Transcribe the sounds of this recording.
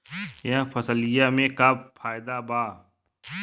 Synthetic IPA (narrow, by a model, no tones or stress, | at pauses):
jə̃pʰɐsəlɪjamẽkaːbfʰaːjd̪abaː